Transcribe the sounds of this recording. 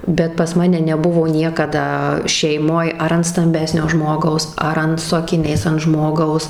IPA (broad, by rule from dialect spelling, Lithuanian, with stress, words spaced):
bʲɛt pɐs ˈmɑːnʲɛ nʲɛˈbʊʋoː ˈnʲiɛkɐdɐ ʃʲɛɪˈmoːj ɐr ɐnt stɐmʲˈbʲæːsʲnʲoː ˈʒmoːɡɐʊs ˈɐr ɐn sʊ ɐkʲɪˈnʲɛɪs ɐnt ˈʒmoːɡɐʊs